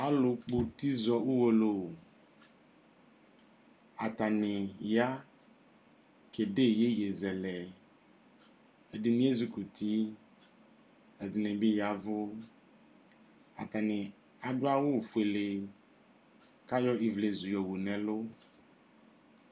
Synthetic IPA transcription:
a˦lo˨k͡po˨t̪i˦zɔ˦wu˦wo˦lo˨ | a˨t̪a˨nɪ˨ja˦ | ke˨ɖe˦˨je˦je˨zɛ˨lɛ˨ | e˨dɪ˨nĩ˦e˦zu˦ku˨t̪i˦ | e˨d̪ɪ˨nɛ̃˨be˦ja˨vʊ˦ | a̰˨t̪a˨nɪ̃˨ | a˨ɖʊ˦a˦wo˦˨fu˨e˨le˨ | ka˦jɔ˦ʔi˨vle˨zu˨jɔ˨wu˨nɛ̃˨lʊ˦

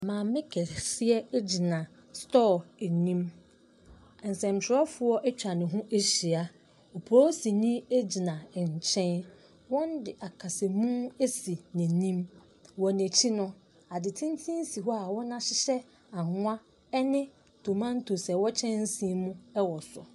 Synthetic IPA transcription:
mã˨mɪ̃˦kʰɛ˨sɪ˦ɛ˦d͡ʑi˨nã˨ | stɔ˦˨e˨nĩ˦m˨ | n̩˨sɛ̃˨m˨t͡ɕʰɪ˨ɾɛ˦fʊ˦ɔ˦ʔɛ˦t͡ɕᶣa˨nɪ̃˨ɦʊ̃˦ʔe˦ɕi˨a˨ | ɔ˨pʰɔ˦si˨nĩ˦e˦d͡ʑi˨nã˨ɲ˨t͡ɕʰɛ̃˦n | wɔ̃˦n˦dɪ˨ʔa˨kʰa˨se˨mũ˦e˦si˨nɪ̃˨nĩ˦m | wɔ˨næ˨t͡ɕʰi˦nʊ̃˦ | a˨dɪ˨tʰĩ˦n˦tʰĩ˦n˦si˨ɦɔ˦a˨wɔ˦nã˦ɕɪ˦ɕɛ˦ | a˨ŋʊ˦a˦ | ɛ˦nɪ̃˦ | tʰo˨mã˦n˦tʰo˨sɛ˨wɔ˦t͡ɕʰɛ̃˦n̩˦sĩ˦mũ˦ɛ˦wɔ˨sʊ̰˨

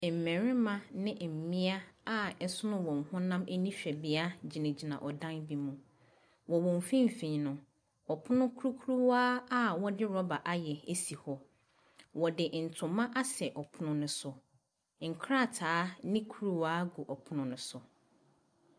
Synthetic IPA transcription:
m̩˨mɛ̃˨ɾɪ̃˦mã˦nɪ̃˦˨m̩˨mĩ˦a˦a˦ɛ˦sʊ˦nʊ̃˦wɔ̃˨ŋ̩˨hʊ̃˦nã˦mʔe˦nĩ˦ɕᶣɛ˨bi˦a˦d͡ʑi˨nɪ̃˨d͡ʑi˨nã̰˨ʔɔ˨dã˦nbi˨mũ˨ | wɔ˨wɔ̃˨m˨fĩ˦m̩˨fĩ˨nʊ̃˨ | ɔ˨pʰʊ˦nʊ̃˦kʰu˦ɾu˦kʰu˦ɾu˦waː˦a˦wɔ˦dɪ˦ɾɔ˦ba˨ʔa˦jɛ˨e˦si˨hɔ˦ | wɔ˨dɪ˨ʔn̩˨tʰʊ̃˨mã˦ʔa˦sɛ˨ʔɔ˨pʰʊ˦nʊ̃˦nʊ̃˨sʊ˨ | ŋ̩˨kʰɾa˦˨tʰaː˨˦nɪ̃˦kʰu˦ɾu˦waː˦ɡu˨ʔɔ˨pʰʊ˦nʊ̃˨nʊ̃˨sʊ˨

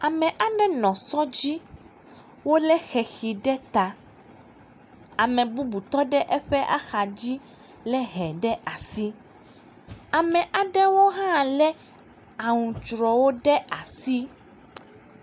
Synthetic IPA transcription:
a˨mɛ̃˨ʔa˨ɖɛ˦nɔ̃˨sɔ˦d͡ʑi˦ | wo˦lɛ˦xɛ˨xi˨ɖɛ˦t̪a˨ | a˨mɛ̃˨bu˦bu˨t̪ɔ˦ɖɛ˦ʔɛ˦ɸɛ˦ʔa̰˦xa˨d͡ʑi˦ | lɛ˦ɦɛ˨ɖɛ˦ʔa˨si˦ | a˨mɛ̃˨ʔa˨ɖɛ˦wo˦ɦã˦˨lɛ˦ | a˨ŋũ˨t͡ʃɾɔ˨wo˦ɖɛ˦a˨si˦

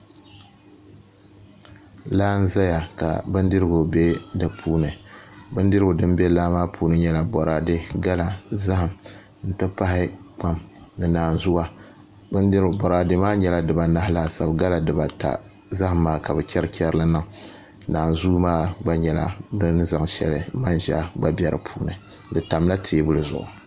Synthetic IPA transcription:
laː˦n̩˦za˦ja˨ka̰˨bɨ˦ndɨ˦ɾɨ˦ɡʊ˨be˦dɨ˨pʰuː˦nɨ˨bɨ˦ndɨ˦ɾɨ˦ɡʊ˨dɨ˦mbe˦laː˦maː˦pʰuː˦nɨ˦ɲɛ˦la˨bɔ˨ɾaː˨de˦ɡa˦la˨za˦ha˨m | n̩˨tɨ˦pa˦hɪ˦k͡pa˦mnɨ˨naː˨n˨zʊ˦a˦ | bɨ˦ndi˦ɾbɔ˨ɾaː˨de˨maː˦ɲɛ˦la˨dɨ˨ba˨na˦hɪ˦la˦˨sa˨bɡa˦la˨dɨ˨ba˨ta̰˨ | za˦hmːaː˦ka˨bɨ˨kʲɛ˦ɾɨ˦kʲɛ˦ɾla˦nɨ˦˨ŋ˨ | naː˨n˨zu˦maː˦ɡ͡ba˦ɲɛ˨la̰˨dɨ˦n˦za˨ŋ˨ʃɛ̰˨lɨ˨ma˦nʒa˦˨ɡ͡ba˦bʲɛ˦ɾɨ̰˨pʰuː˦nɨ˨ | dɨ˨ta˨mla˦tʰeː˦bʊ˦lɨ˨zʊ̰˨ʔʊ̰˨

